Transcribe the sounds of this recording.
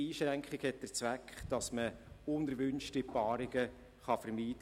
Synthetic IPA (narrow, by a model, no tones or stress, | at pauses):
iːʃɾɛŋkχɪɡhɛt̚d̥ət͡sʋækχd̥ɑsməʊndəɾʋʏnʃtɪpɑːɾɪɡə | χɑfəɾmiːd̥